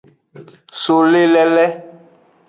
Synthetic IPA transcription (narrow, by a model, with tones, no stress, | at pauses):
so˨le˦lɛ˦lɛ˦